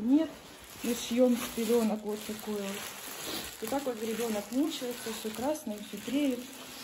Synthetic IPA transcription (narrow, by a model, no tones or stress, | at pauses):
nʲet̪ | nosjomspʲɪlʲo̞nəkvot̪ːɐkojot̪ʋot̪ːakvot̪ɾʲɪbʲo̞nəknut͡ɕɪlˠsʲəfsʲokɾasnəjəfsʲop̪ɾʲejɪt̪